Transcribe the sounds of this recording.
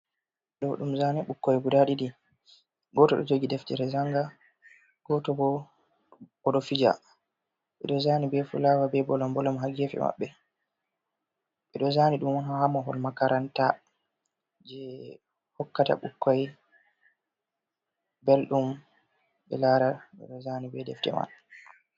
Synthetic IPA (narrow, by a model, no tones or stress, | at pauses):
ɗɔɗumzanɛɓukːajɡudaɗidi | ɡɔtɔɗɔ̰d͡ʒoɡidɛftɛɾɛzaŋɡa | ɡ̥ɔtɔbɔ | ɔɗɔfid͡ʒa̰ | ɓɛ̰ɗɔzanibɛfṵlawabɛbɔlɔmbɔlɔmɦaɡefɛ̰ma̰ɓːɛ | ɓɛɗɔzaniɗumanhahamɔɦɔ̰lmakaɾʔanta | d͡ʒɛ | hɔkːata̰ɓukːaj | belɗum | ɓɛlaɾaɓɛ̰ɗɔzanibɛdɛ̰ftɛ̰ma̰n